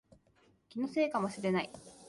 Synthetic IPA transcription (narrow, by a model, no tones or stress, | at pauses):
kʲinose̞ːkamoɕiɾe̞nai